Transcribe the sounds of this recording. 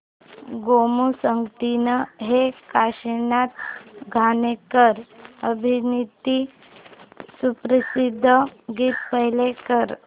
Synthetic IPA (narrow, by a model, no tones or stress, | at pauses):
ɡomusəŋɡt̪inəɦekaɕinat̪̚ɡʱanekəɾəbʱinit̪i | supɾəsid̪ʱːəɡiːt̪pəɦjlekəɾ